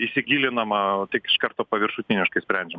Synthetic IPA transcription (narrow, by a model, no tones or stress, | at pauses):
isʲɪɡʲiːlʲɪnɐmɐt̪ʲɪkɪ̥ʃkɐɾt̪oːpɐʋʲɪɾʃʊt̪ʲɪnʲɪʃkɐɪsʲpʲɾʲɛnʲd͡ʒʲɛm